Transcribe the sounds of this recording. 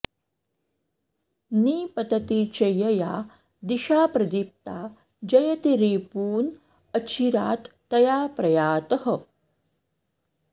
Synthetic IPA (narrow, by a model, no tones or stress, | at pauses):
niːpɐt̪ɐt̪it͡ʃɐjɐja | d̪iʃaːpɾɐd̪ip̚t̪a | d͡ʒɐjɐt̪iɾeːpuːn | ɐt͡ɕʰiɾaːt̪ːɐjaːpɾɐjaːt̪əɦə